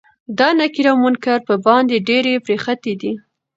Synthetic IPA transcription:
d̪ɑnakiɾamunkaɾpəbɑnd̪eɖeɾepɾexat̪ed̪i

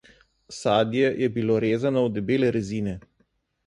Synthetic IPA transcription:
saːd̪jɛjʔɛbiloɾeːzanɔwd̪ɛbeːlɛɾɛziːnɛ

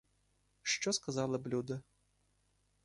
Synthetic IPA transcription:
ʂt͡ʃɔskɐzalˠɐblʲud̪ɐ

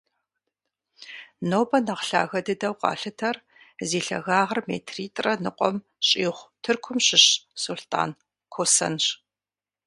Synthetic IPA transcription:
noːbɐnɐqɬa̰ːɣɐdɐdɐwqɑ̰ːɬɨtʰɐr | zeːɬɐ̰ɣaːʁɐrmḛːtʰriːtʼrɐnɨqʷɔ̰m | ɕʼiːχʷtʰɨrkʷʰʊmɕɪɕsuɬtʰʼa̰ːn | kʷʰosɐ̰nɕ

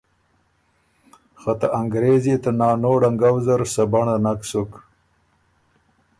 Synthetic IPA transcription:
xat̪aʔaŋɡɾezit̪anɑːnoːɽaŋɡawzaɾsabaɳanaksuk

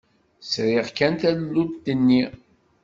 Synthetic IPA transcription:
sɾiʁkænt̪ællːudd̪ənːi

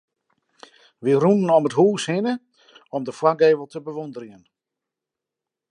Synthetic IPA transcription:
ʋirunn̩ɔmətɦuːshɪnə | ɔmdəfwaɡeːvəl̩ˠtəbəʋondəɾjən

